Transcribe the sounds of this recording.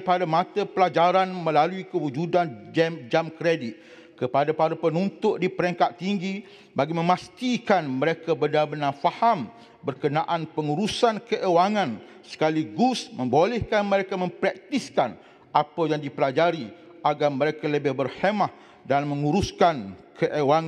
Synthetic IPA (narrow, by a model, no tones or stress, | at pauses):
padamãt̪əpəlad͡ʒaɾanmə̃laluikəwud͡ʒudand͡ʒamkɾedɪt̪̚ | kəpadapaɾapənunt̪ʊʔdipəɾəŋkat̪ːiŋɡi | baɡimə̃mast̪ikanmə̃ɾekabənalbənafaham | bərkənaʔanpəŋuɾusankəʔewaŋãn | sə̥kaliɡusmə̃mbolɛhkanmə̃ɾekamə̃mpɾak̚t̪iskan | ʔapajaŋdipəlad͡ʒaɾi | ʔaɡarmə̃ɾekaləbɪhbərhemah | danmə̃ŋuɾuskankʰəʔewaŋ